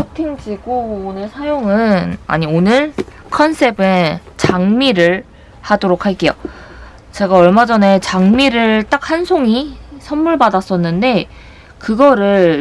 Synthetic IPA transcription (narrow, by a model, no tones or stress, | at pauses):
otʰiŋd͡ʑiɡoːnɯɭsʰajoŋɯna̰ɲionɯɭ | kʰʌnsʰe̞bɯnt͡ɕaŋmiɾɯɭ | hadoɾok̚ʰhaɭk͈e̞jo̰ | t͡ɕe̞ɡaʌɭmad͡ʑʌne̞t͡ɕaŋmiɾɯɭt͈ak̚hansʰoŋisʰʌnːuɭbadas͈ʌnːɯnde̞ | kɯɡʌɾɯɭ